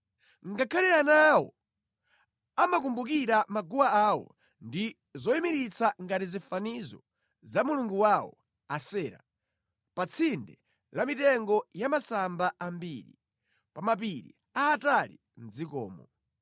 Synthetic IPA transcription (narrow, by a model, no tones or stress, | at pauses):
ŋɡakʰalɛanawɔ̰ | amak̬umbuk̬iɾamaɡuwaawɔ̰ | ndi | zɔimiɾit͡sʰaŋɡatizifanizɔ̰ | zamuluŋɡuwawɔ̰ | asɛːɾa̰ | pat͡sʰindɛ | lamitɛŋɡɔjamasambaambiɾḭ | pamap̬iɾḭ | aːtalḭ | n̩d͡zikɔ̰ːmɔ